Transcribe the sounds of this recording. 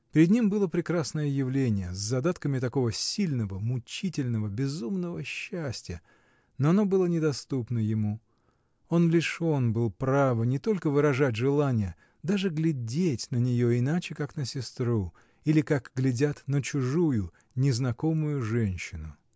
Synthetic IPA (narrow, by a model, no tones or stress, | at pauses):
pʲɪɾʲɪd̪nʲimbɨlˠəpɾʲɪkɾasnəjəjɪvlʲenʲɪjəzʲzɐd̪at̪kəmʲɪt̪ɐko̞vəsʲilʲnəvəmʊt͡ɕitʲɪlʲnəvəbʲɪzumnəvəɕːæsʲtʲɪjə | noɐno̞bɨlˠənʲɪd̪ɐst̪upnəjɪmu | o̞nlʲɪʂo̞nbɨlˠpɾavənʲɪt̪o̞lʲkəvɨɾɐʐat̬̚ʲʐɨlˠanʲɪjə | d̪aʐɨɡlʲɪdʲetʲnənʲɪjo̞ɪnat͡ɕɪkaknəsʲɪst̪ɾu | ilʲɪkakɡlʲɪdʲat̪nət͡ɕʊʐujʊ | nʲɪznɐko̞mʊjʊʐɛnʲɕːɪnʊ